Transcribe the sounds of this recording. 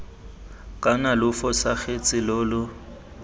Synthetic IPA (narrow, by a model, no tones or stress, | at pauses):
kʼanalʊfɔsaɣet͡sʼɪlʊːlʊ